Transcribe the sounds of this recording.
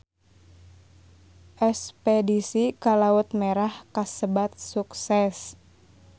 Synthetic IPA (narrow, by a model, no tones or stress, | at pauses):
ʔɛspɛdisikalaut̪̚meɾahkasəbat̪̚suksɛs